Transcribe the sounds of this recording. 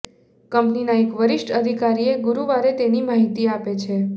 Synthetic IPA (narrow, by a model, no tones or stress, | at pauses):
kəmpninaekʋəɾiʃʈʰəd̪ʱikaɾieɡuɾuʋaɾet̪enimaɦit̪iapet͡ʃʰe